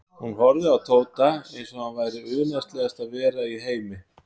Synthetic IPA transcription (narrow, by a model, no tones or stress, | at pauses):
hunvɔɾðʏawt̪ʰoːwt̪aejnsɔmavaːjɾɪʏðnajst̪lɛɣast̪aðvɛːɾaiɦeːjmɪ